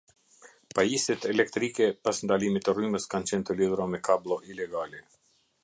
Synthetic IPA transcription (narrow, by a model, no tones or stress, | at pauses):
pajisit̪ɛlɛk̚t̪ɾikɛpasnd̪alimit̪ɛryməskant͡ɕɛnt̪əliðuɾamɛkablˠɔʔilɛɡalɛ